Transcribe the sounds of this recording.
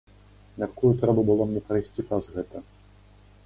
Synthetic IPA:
mʲat̪kujut̪ɾɛbɐbɨlˠɔmnʲɛpɾɐjsʲt͡sʲipɾɐzɣɛt̪ɐ

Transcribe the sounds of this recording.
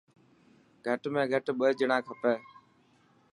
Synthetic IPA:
ɡʱəʈmẽːɡʱəʈɓəɦd͡ʒəɳãːkʰəpeː

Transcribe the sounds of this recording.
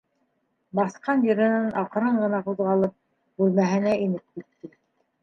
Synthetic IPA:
bɑsqɑnjɤ̆ɾɘ̆nɘnʔɑqɤ̆ɾɤɴɢɤ̆nɑquðʁɑlˠɤp̚ | bʉlmæɦɘ̆næinɘp̚kit̪ːɘ

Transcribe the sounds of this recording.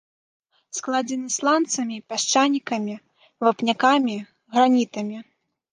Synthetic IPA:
sklˠad͡zʲɛnɨslˠant̪sɐmʲipʲaʂt͡ʂanʲikɐmʲi | vapnʲakamʲi | ɣɾanʲit̪ɐmʲi

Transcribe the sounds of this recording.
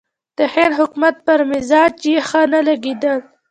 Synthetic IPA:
d̪̥əhenɦʊkmat̪̚pəɾmɪzɑd͡ʒexənalaɡed̪əl

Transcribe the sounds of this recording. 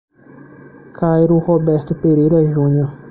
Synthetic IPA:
kʰajɾʊhobɛɾt̪ʊpeɾejɾɐʒũɲoɾ

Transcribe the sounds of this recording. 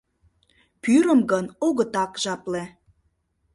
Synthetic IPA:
pyɾəmɡənoɣət̪ɑkʒɑple

